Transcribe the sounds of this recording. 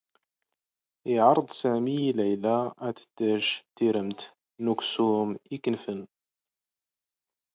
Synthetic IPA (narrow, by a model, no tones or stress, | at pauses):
iʕɑɾˤd̪ˤsæmilæjlaæt̪ə̥d̪̥ːæʃt̪iɾəmt̪ | nuksumikənfən